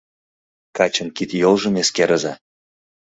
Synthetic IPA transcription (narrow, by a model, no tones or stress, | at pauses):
kɑt͡ɕə̆nkit̪jolˠʒɤ̆meskeɾəzɑ